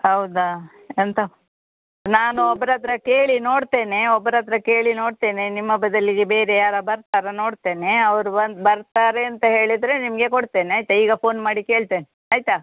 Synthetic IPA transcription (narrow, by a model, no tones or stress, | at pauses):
hɐwd̪a | ɐnt̪ɐ | naːnuɔbːɾaːd̪ɾɐke̞ːɭino̞ːɽt̪e̞ːneɔbːɐɾaːd̪ɾɐke̞ːɭino̞ːɽt̪e̞ːnenimːɐbɐd̪ɐliɡebe̞ːɾejaːɾɐbɐɾt̪aːɾɐno̞ːɽt̪e̞ːne̞ɐʋɐɾubɐnd̪bɐɾt̪aːɾeɐnt̪ɐɦe̞ːɭid̪ɾe̞nimɐɡekoɽt̪e̞ːneaːjt̪ɐiːɡɐpʰo̞ːnmaːɽike̞ːɭt̪eːne | aːjt̪a